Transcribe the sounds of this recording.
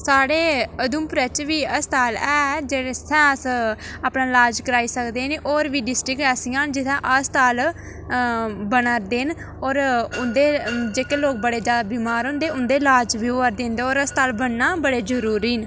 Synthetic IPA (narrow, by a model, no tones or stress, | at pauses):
saːɽeːəd̪uːmpɾɛt͡ʃʋiːəst̪aːlɛːd͡ʒeːeːsɛ̃ːəs | aːpnãːlaːd͡ʒkəɾaːiːsəkd̪eːneːʔɔːɾʋiːɖɪsʈɾɪkʈɛːsijãːnd͡ʒɪt̪ɛ̃ʔəst̪aːl | bənaɾd̪eːn | ɔːɾʊnd̪eːd͡ʒeːkeːloːk̚bəɽeːd͡ʒjaːd̪aːbiːmaːɾɦõːnd̪eːʊnd̪eːlaːd͡ʒʋiːoʋəɾd̪ẽnd̪eːoːɾəst̪aːlbəɳnaːbəɽeːd͡ʒəɾuːɾiːn